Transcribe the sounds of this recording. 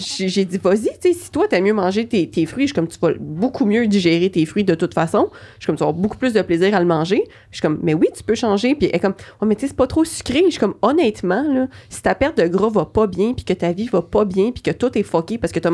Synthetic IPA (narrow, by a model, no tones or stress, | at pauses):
ʃiʒed͡zivɔzit͡sesi̥t̪wat̪yɛmjømɑ̃ʒet̪et̪eːfʁɥiʃy̥kɔmt̪yvɔbokʰumjød̪iʒɛːʁet̪eːfʁɥid̪ət̪ʊt̪fasɔ̃ʃy̥kɔmt̪aboku̥plʏs̬d̪əpleziːʁalmɑ̃ːʒe | ʃy̥kɔmːɛwit̪y̥pøʃɑ̃ːʒepiʔɛkɔmwimɛt͡sese̥pɔt̪χosy̥kʲʁeʃy̥kɔmɔnɛːt̪mɑ̃lɔsi̥t̪apɛʁt̪̚d̪əɡʁɔvʌpɔbjɛ̃pi̥kʲət̪avivʌpɔbjɛ̃pi̥kʲət̪ʊt̪ɛfɔkʲepaʁsə̥kət̪a